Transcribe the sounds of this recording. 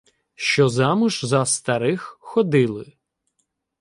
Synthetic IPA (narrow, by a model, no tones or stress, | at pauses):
ʃt͡ʃɔzɑmʊʒzɐst̪ɐɾɪxxɔd̪ɪlˠɪ